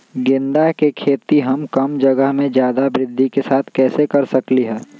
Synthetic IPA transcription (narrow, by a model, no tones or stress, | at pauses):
ɡɪ̃nd̪akekʰeːt̪iɦɐmkɐmd͡ʒɐɡəɦmẽd͡ʒjaːd̪abɾɪd̪ʱːikesaːt̪ʰkɛːsekɐɾsɐkliɦɛː